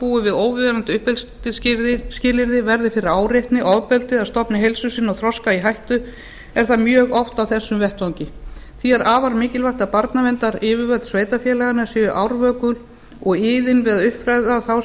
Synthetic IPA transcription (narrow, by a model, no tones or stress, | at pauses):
puːʏvɪðoːwvɪðɛɾant̪ʏʏhpɛlt̪ɪɾscɪlɪɾðɪvɛɾðɪfɪɾɪɾaːwrjejht̪nɪʔɔðpɛlt̪ɪðaðst̪ɔpnɪɦejlsʏsiːnːɔwθɾɔskaiɦajht̪ʏ | ɛɾ̥θamjœːɣɔft̪awθɛsːʏmvɛht̪vawɲcɪθiɛɾʔaːvaɾmɪːcɪlvajht̪apaɾt̪navɛnt̪aɾɪːvɪvœt̪sveːjt̪afjɛːlɛɣanasjɛːʏʔawɾvœːkʏl | ɔɣɪːðɪnvɪððʏhpfɾajðaθaw